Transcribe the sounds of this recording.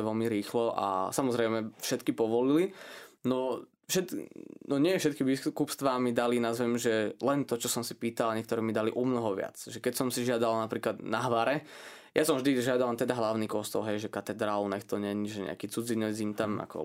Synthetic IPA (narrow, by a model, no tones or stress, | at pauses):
ʋɛlmiɾiːxlɔʔa̰samɔzɾɛɪmɛfʃɛt̪kipɔʋɔlilinɔ | fʃɛt̪nɔɲɪɛɛfʃɛt̪̚kiʋiskupst̪ʋamid̪alinazʋɛmʒɛlɛnt̪ɔt͡ʃɔsɔmsi̥piːt̪alaɲɛkt̪ɔɾɛːmid̪aliʔɔmnɔɦɔʋɪa̰t͡sʒɛkɛcsɔmsiʒɪad̪alnapɾiːklad̪naɦʋaɾɛ | jʔasɔmvʒd̪iʒɪad̪alnt̪ɛd̪aɦlaʊniːkɔst̪ɔ̰lɦɛjʒɛkat̪ɛd̪ɾaːlnɛxt̪ɔɲɛɲiʒɛɲɛ̰a̰kiːt͡sud͡zinɛd͡ziɲt̪ama̰kɔ̰